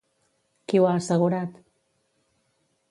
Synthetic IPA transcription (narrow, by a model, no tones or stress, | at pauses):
kiwaseɣuɾat̪